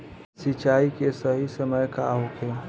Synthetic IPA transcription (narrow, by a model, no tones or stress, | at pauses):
sit͡ʃaikesəɦisəməjkaɦoke